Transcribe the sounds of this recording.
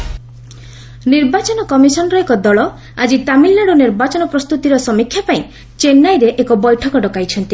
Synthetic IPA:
niɾbat͡ʃɔnɔkɔmisɔnɔɾɔekɔd̪ɔɭɔ | a̰d͡ʒit̪amilːaɽɔniɾbat͡ʃɔnɔpɾɔst̪ut̪iɾɔsɔmikʰːjapaĩ | t͡ʃenːajɾeʔekɔbɔjʈʰɔkɔɖɔkajt͡ʃʰɔnt̪i

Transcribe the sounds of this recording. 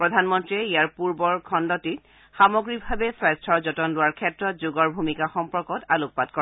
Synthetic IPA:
pɹɔdʱanmɔntɹiɛijaɹpuɹbɔɹkʰɔndɔtit̚ | xamɔɡɹibʱabɛsɹɛstʰɔɹzɔtɔnlʊwaɹkʰɛtɹɔt̚zʊɡɔɹbʱumikaxɔmpɔɹkɔtaluk̚pat̚kɔɹ

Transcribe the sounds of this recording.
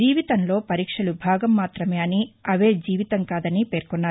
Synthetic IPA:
d͡ʒiːʋit̪ɐnlo̞ːpɐɾiːkʂɐlubʱaːɡɐmːaːt̪ɾɐmeːɐniɐʋe̞ːd͡ʒiːʋit̪ɐŋkaːd̪ɐnipe̞ːɾkunːaː

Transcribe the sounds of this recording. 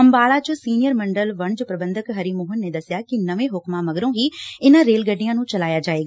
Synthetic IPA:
əmbaːlaːt͡ʃõsiːnɪjəɾməɳɖəlʋəɳd͡ʒopɾəbənd̪əkɦəɾiːmoːɦənːeːd̪əsɪjaːkɪnəʋẽːɦʊkmãːməɡɾõːɦiːɪnãːɾeːlɡəɖːijãːnũːt͡ʃəlaːjaːd͡ʒaːeːɡaː

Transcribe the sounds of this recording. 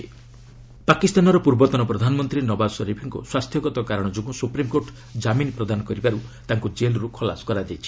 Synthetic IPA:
pakist̪anɔɾɔpuɾbɔt̪ɔnɔpɾɔd̪ʱanɔmɔnt̪ɾinɔbasɔɾipʰiŋkṵswast̪ʰjɔɡɔt̪ɔkaɾɔɽ̃ɔd͡ʒoɡusupɾimkoʈ | d͡ʒaminpɾɔd̪anɔkɔɾibaɾut̪aŋkud͡ʒelɾukʰɔla̰sɔ̥kɔɾad͡ʒet͡ʃʰi̥

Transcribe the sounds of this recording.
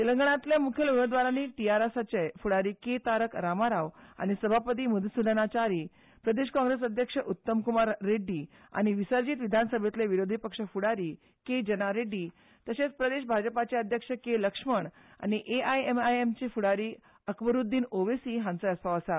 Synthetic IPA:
t̪eləŋɡəɳ̃ãt̪lemukʰjelumed̪ʋaɾaniːʈiaɾesat͡ɕefuɽaɾiːket̪aɾəkɾamaɾaʋa̰ñisəbʱapət̪̬iːmud̪ʱsud̪ənat͡ɕaɾi | pɾəd̪eɕkɔ̃ŋɡɾes̬əd̪ʱjəkʂəʔut̪ːəmkumaɾːeɖi | a̰ñiʋisəɾd͡ʑiːt̪ʋid̪ʱansəbʱet̪leʋiɾod̪ʱipəkʂəfuɽaɾiː | ked͡ʑənaɾeɖi | t̪əset͡spɾəd̪eɕbʱad͡ʑəpat͡ɕeəd̪ʱjəkʂəkeləkʂməɳ | a̰ñiʔeajemajemt͡ɕifuɽaɾiː | əkbəɾud̪ːiːnoʋesiɦãnt͡səəstaəsa

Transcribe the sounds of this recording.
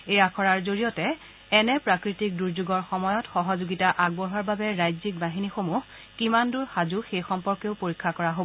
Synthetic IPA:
ejakʰɔɹaɹzoɹijɔtɛ | ɛnɛpɹakɹitik̚duɹzuɡɔɹxɔmɔjɔtxɔɦɔzoɡitaʔaɡ̚bɔɦɔɹbabɛɹajzik̚baɦinixomuh | kimanduɹxazuxejxɔmpɔɹkeʊpoɹikʰːakɔɹaɦobɔ

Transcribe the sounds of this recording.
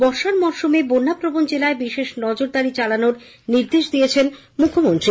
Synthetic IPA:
bɔɾʃaɾmɔʃomebonːapɾobond͡ʑelaebiʃeʃnɔd͡ʑoɾd̪aɾit͡ɕalanoɾ | niɾd̪eʃd̪ijet͡ɕʰen | mukʰːomont̪ɾi

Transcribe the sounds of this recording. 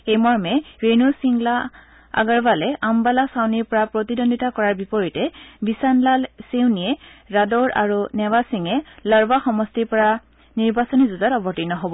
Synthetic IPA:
ejmɔɹmɛɹenusiŋla | a̰ɡaɹbalɛʔambalasawniɹpɔɹapɹotidondʱitakɔɹaɹbipɔɹitɛbisanlalsewniɛɹadɔɹa̰ɹunɛwasiŋɛlaɹbaxɔmɔstiɹpɔɹa | niɹbasɔnizuzatɔbɔtinɔɦobɔ

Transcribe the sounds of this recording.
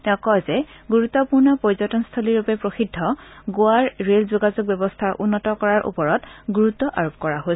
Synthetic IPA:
ɔkɔzɛɡuɹut̪ːɔpuɹnɔpɔɹzɔtɔnst̪ʰoliɹupɛpɹoxidʱːɔɡʊaɹɹelzoɡazok̚bɛbɔstʰaɹʔunːɔtɔkɔɹaɹʔṵpɔɹɔtɡuɹutːɔʔaɹop̚kɔɹaɦo

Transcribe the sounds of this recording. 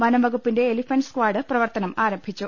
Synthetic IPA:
mɐnɐʋɐɣupːinde̞ːlifɐnɖskʋaːɽɨprɐʋɐrt̪ɐnɐmaːɾɐmbʱit͡ɕːu

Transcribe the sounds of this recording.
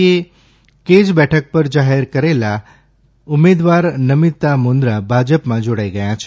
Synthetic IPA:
e | ked͡ʒbɛʈʰək̚pəɾd͡ʒaɦeɾkəɾela | umed̪ʋaɾnəmit̪ːamond̪ɾabʱad͡ʒəpmãd͡ʒoɽajɡəjãt͡ʃʰ

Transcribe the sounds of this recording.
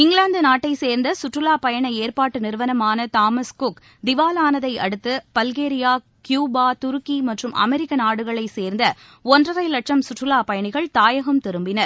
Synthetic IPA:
ɪŋɡɭaːnd̪ɐnaːʈːɐɪseːɾnd̪ɐsʊʈrɯlaːpɐjɐɳɐeːɾpaːʈːɯnɪɾʋɐnɐmaːnɐt̪aːmɐskʊk | d̪ɪʋaːlaːnɐðɐɪʔɐɽɯt̪ːɯpɐlɣeːɾɪjaː | kjuːbaːt̪ʊɾɯkːimɐʈrɯmʔɐ̰mɛɾɪkːɐnaːɽɯɣɐɭɐɪseːɾnd̪ɐ | ɔndrɐrɐɪlɐʈʂɐmsʊʈrɯlaːpɐjɐɳɪɣɐɭt̪aːjɐɣɐmt̪ɪɾɯmbɪnɐɾ

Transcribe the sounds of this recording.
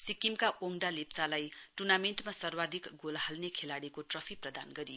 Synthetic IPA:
sikimkaʔoŋɖalep̚t͡salajʈurnameɳʈmasʌrwad̪ʱikɡolɦalnekʰelaɽikoʈrʌpʰiprʌd̪anɡʌɾijo

